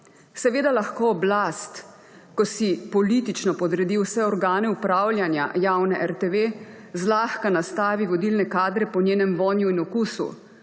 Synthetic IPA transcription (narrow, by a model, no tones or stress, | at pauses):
sɛʋeːd̪alaxkoːblast̪ | kɔsipɔlit̪it͡ʃnɔpɔd̪ɾɛd̪iwsɛɔɾɡaːnɛupɾaːwlʲjanja̰jaːwnɛʔɛɾt̪eʋeː | zlaːxkanast̪aːʋiʋɔd̪ilnɛkaːd̪ɾɛpɔnjeːnɛmʋɔːnjuinɔkuːsṵ